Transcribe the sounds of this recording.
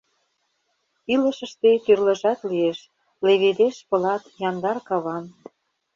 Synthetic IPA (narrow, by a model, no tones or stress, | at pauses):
ilə̆ʃəʃt̪et̪yrlə̆ʒɑt̪lieʃ | leβed̪eʃpɤ̆lɑt̪jɑnd̪ɑrkɑβɑn